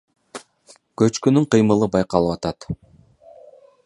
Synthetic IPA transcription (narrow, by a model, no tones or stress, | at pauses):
køt͡ʃkynyɴqɯjmɯlˠɯbɑjqɑlˠɯpɑt̪ɑt̪